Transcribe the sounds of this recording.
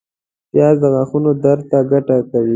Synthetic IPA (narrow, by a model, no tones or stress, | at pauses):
pjɑzd̪əɣaxunod̪aɾt̪aɡaʈakawi